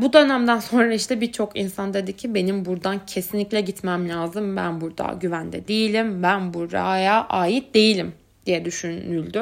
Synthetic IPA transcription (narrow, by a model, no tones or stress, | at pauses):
bud̪ø̞næmd̪ænso̞nɾaiʃt̪ʰɛbiɾt͡ʃʰo̞kʰinsand̪e̞d̪icʰːibe̞nimbuɾd̪ancʰe̞sinlʲiclʲɛɟit̪mæmlʲaːzɯmbæ̰nbuɾd̪a̰ɟyvænd̪ɛ̰d̪ejilʲimbænbuɾɾa̰jaːʔaːjit̪̚d̪e̞jilʲim | d̪̥ijɛd̪yʃynylʲd̪y